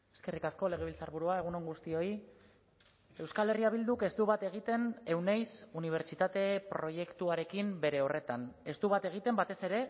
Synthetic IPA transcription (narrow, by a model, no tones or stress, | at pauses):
e̞skerikasko̞le̞ɣe̞β̞ilt͡saɾβuɾuae̞ɣ̞uno̞ŋɡust̪io̞i | e̞wskale̞riaβ̞ild̪uke̞st̪uβat̪e̞ɣ̞it̪e̞ne̞wnajsuniβ̞e̞ɾt͡ʃit̪at̪e̞pɾo̞je̞kt̪uaɾe̞kimbe̞ɾe̞o̞re̞t̪ane̞st̪uβat̪e̞ɣ̞it̪e̞mbat̪e̞se̞ɾe̞